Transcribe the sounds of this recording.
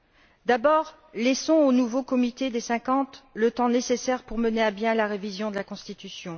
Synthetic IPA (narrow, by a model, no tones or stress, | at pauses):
d̪abɔːʁ | lɛsɔ̃onuvokɔmit̪ed̪esɛ̃kɑ̃t̪lət̪ɑ̃nesesɛʁpuʁməneabjɛ̃laʁevizjɔ̃d̪əlakɔ̃st̪it̪ysjɔ̃